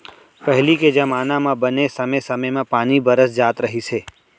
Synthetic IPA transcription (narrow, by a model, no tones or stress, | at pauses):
pɛɦliked͡ʒɐmaːnãmãbənesɐməsɐməjmãpaːnibəɾəsd͡ʒaːt̪ɾəɦiseː